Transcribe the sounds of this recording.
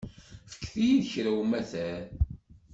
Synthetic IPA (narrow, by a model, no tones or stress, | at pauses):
fə̥kːθijiðçɾæwmæθæɾ